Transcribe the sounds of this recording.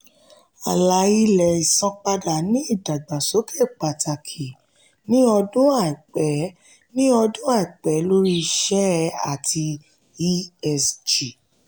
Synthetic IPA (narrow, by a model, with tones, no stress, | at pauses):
a˨la˨˦i˦lɛ˨i˨sã˧k͡pa˧da˨nĩ˦i˦˨da˨ɡ͡ba˨so˨˦kʰe˦˨k͡pa˨ta˨kʰi˨ | nĩ˦ɔ˧dũ˦a˦˨i˨k͡pɛ˨˦ | nĩ˦ɔ˧dũ˦a˦˨i˨k͡pɛ˨˦lo˦ɾi˦˧ʃɛ˦a̰˦˨tʰi˧ | i˦ɛ˧sd͡ʒi˨